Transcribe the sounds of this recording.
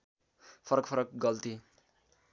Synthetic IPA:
pʰʌɾʌkpʰʌɾʌk̚ɡʌlt̪i

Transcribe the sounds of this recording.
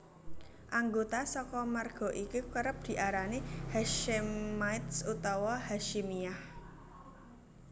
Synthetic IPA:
ʔaŋɡot̪asɔkɔmarɡ̥ɔ̤ʔikukəɾəp̚d̪̥i̤ʔaɾanehaʃɪmmːajt̪sut̪ɔwɔɦaʃimiah

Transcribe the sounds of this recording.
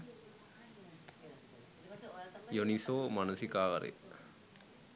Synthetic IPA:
jonisoːmɐnusikaːʋɐ̰ɾʔḛ

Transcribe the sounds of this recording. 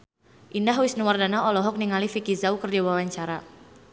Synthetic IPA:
ʔindaɦwisnuwardanaɔlɔɦɔk̚niŋalifikizaukərdiwawaɲt͡ʃaɾa

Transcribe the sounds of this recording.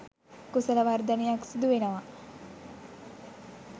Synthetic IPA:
kusɐlɐʋaɾd̪ɐnejaksud̪uʋenɐʋa

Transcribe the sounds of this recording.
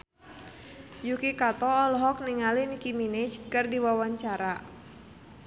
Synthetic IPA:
jukikat̪ɔːlɔɦɔk̚niŋalinikiminit͡ʃkɨrdiwawaɲt͡ʃaɾa

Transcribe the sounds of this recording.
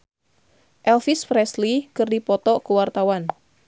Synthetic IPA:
ʔɛlfispɾɛslikɨrdipɔt̪ɔʔkuwart̪awan

